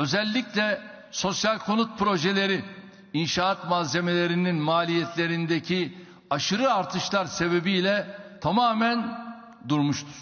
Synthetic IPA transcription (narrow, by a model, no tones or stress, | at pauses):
ø̞zɛlʲːiclʲɛ | so̞sjalʲkʰo̞nut̪̚pʰɾo̞ʒelʲe̞ɾi | inʃaːt̪maze̞me̞lʲe̞ɾininmaːlʲijɛt̪ʰlʲe̞ɾind̪ecʰi | aʃɯɾɯaɾt̪ʰɯʃlˠaɾse̞be̞bijlʲɛt̪ʰamaːmæn | d̪uɾmuʃt̪ʰu̥ɾ̥